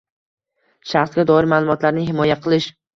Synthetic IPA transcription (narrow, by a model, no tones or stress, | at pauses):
ʃaχsɡʲad̪ɒɪɾmaːlˠʊmɒt̪laɾnɪhɪmɒjaqʰɨlˠɪʃ